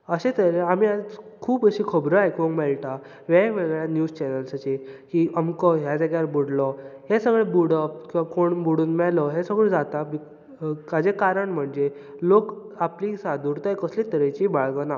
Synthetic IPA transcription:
əɕet̪əɾeamiakʰuːpəɕikʰəbɾəajkõŋmɛɭʈa | ʋemeɭɡɭjanjuːd͡zt͡ɕɛnəlsət͡ɕekiəmkɔɦjad͡z̪eɡjaɾbuɽlɔɦesəɡɭebuɽəpkĩʋakoɳbuɽuːnmɛlɔɦesəɡɭẽd͡zat̪ami | kad͡ʑekaɾəɳm̤əɳd͡ʑe | lok | aplisad̪uɾt̪jkəslit̪əɾet͡ɕibaɭɡəna

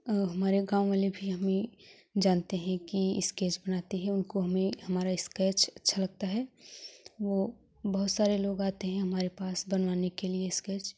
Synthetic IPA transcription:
ɦɐmaːɾeɡãːw̃ʋalebʱiɦɐmẽ | d͡ʒaːnt̪eɦɛ̃kiɪ̰skeːt͡ʃbɐnaːt̪iɦɛ̃ʊnkoɦɐmẽhɐmaːɾaɪskɛːt͡ʃɐtːʃʰalɐɡ̚t̪aɦɛ | ʋo | bɐɦʊt̪saːɾeloːɡaːt̪eɦɛ̃ɦɐmaːɾepaːsbɐnʋaːnekelieɪskɛːt͡ʃ

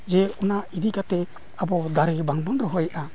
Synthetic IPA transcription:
d͡ʒɛɔnaʔid̪ikat̪ɛ | abɔd̪aɾɛbaŋbanɾɔɦɔjʔa

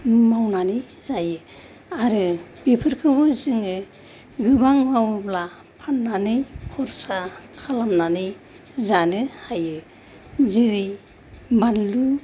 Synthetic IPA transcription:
mawnanɯjzajɯ | aɾɯbipʰɯɾkʰɯbɯzɯŋɯ | ɡɯbaŋmawbla | pʰanːanɯjkʰɔɾsakʰalamnanɯj | zanɯhajɯ | ziɾij | banlu

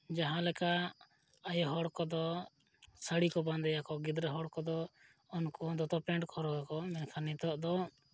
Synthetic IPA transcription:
d͡ʒaɦãlɛka | ajɔɦɔɽkɔd̪ɔ | səɽikɔband̪ɛjakɔɡid̪ɾəɦɔɽkɔd̪ɔ | ɔnkɔd̪ɔt̪ɔpɛɳʈkʰɔɾɔɡakɔmɛnkʰanit̪ɔʔd̪ɔ

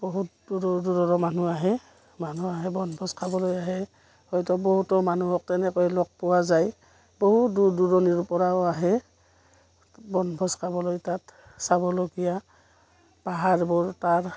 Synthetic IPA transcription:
bɔɦut̚duɹɔduɹɔɹɔmanuaɦɛ | manuaɦɛbɔnbʱɔskʰabɔlojaɦɛ | hɔjtɔbɔɦutɔmanuɔk̚tɛnɛkɔjlɔk̚pɔwazaj | boɦutduduɹɔniɹupɔɹaoaɦɛ | bɔnbʱɔskʰabɔlojtat | sabɔloɡija | paɦaɹbɔɹtaɹ

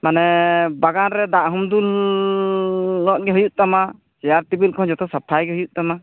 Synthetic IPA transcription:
manɛbaɡanɾɛd̪aʔɦɔmd̪ul | ɔʔɡɛɦujuʔ̚t̪ama | t͡ʃɛjaɾt̪ibilkʰɔ̃d͡ʒɔt̪ɔsapʰajɡɛɦujuʔ̚t̪ama

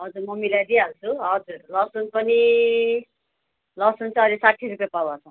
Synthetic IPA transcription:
ɦʌd͡zuɾmʌmilad̪iɦalt͡sʰuɦʌd͡zuɾlʌsunpʌni | lʌsunt͡sʌ̃ʌlisaʈʰiɾukʌpawat͡sʰʌ̃

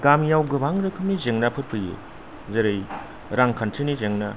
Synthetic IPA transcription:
ɡamjawɡɯbaŋɾɯkʰɯmizeŋnapʰɯɾpʰɯjɯ̰ | zeɾej | ɾaŋkʰantʰenizeŋna

